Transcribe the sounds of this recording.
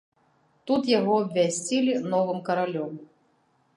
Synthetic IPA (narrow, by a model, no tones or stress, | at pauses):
t̪ut̪jaɣɔɐbvʲasʲt͡sʲilʲinɔvɨmkɐɾalʲɔm